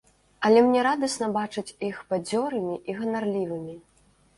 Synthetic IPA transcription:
ɐlʲɛmnʲɛɾad̪ɐsnɐbat͡ʂɨt͡sʲixpad͡zʲɔɾɨmʲiʔiɣɐnarlʲivɨmʲi

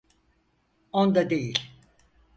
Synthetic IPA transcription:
ond̪ad̪ejilʲ

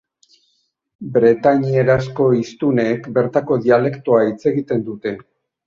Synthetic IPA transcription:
bɾe̞t̪aɲie̞ɾasko̞ist̪une̞ːkbe̞ɾt̪ako̞ðiale̞kt̪oait͡se̞ɣit̪e̞nd̪ut̪e̞

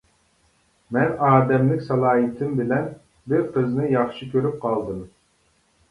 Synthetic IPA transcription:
mɛnɑːd̪ɛmlɪkʲsɑlˠɑːɦɨt̪ʰɪmbɪlɛn | bɪɾqʰəznɨjɑχʃɨkʲʰøɾyp̚qʰɑlˠd̪ɨm

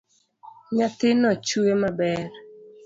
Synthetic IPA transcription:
ɲat̪ɪnɔt͡ʃuemabɛr

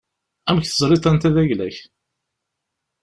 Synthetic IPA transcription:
æmçθəzˤɾˤit̪ˤænt̪æðæʝlæç

